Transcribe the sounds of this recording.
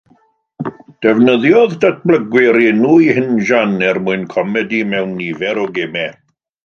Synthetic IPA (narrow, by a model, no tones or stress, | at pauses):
d̥ɛvnəðjɔðdat̚ʰbləɡwɪɾinuːjhɪnʒanɛrmʊɨnkʰɔmɛdimɛwnːivɛɾɔɡemɛ